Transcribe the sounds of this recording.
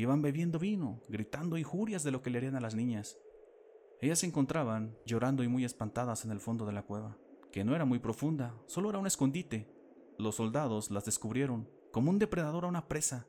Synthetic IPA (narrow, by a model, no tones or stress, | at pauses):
iβambe̞βje̞nd̪o̞βino̞ɡɾit̪and̪o̞iŋxuɾjazðe̞lo̞ke̞leaɾianalaznĩɲas | e̞ʝasːeŋko̞nt̪ɾaβand͡ʒo̞ɾand̪o̞imuje̞spant̪aðase̞ne̞lfo̞nd̪o̞ð̞e̞lakwe̞βake̞no̞e̞ɾamujpɾo̞fund̪aso̞lo̞eɾaune̞sko̞nd̪it̪e̞ | lo̞sːo̞ld̪að̞o̞slazðe̞skuβɾje̞ɾo̞ŋ | ko̞mound̪e̞pɾe̞ðaðo̞ɾaunapɾe̞sa